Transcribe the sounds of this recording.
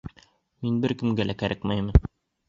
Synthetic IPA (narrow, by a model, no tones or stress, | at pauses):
minbɘɾkɘ̆mɡælækæɾʔækmæjmɤn